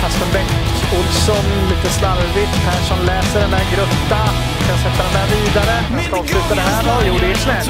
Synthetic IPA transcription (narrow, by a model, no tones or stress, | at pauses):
hast̪ənbɛkː | ʊlsɔnliːt̪əsnalvɪt̪pʰæːʂɔnlɛːsəɖɛnd̪æːɾɡɾɵpːa | kʰanjasɛt̪ːad̪ɛnd̪æːɾviːd̪aɾə | askɔːvsʉ̟ːt̪ad̪ɛɦːɔjuːɖɪsmɛ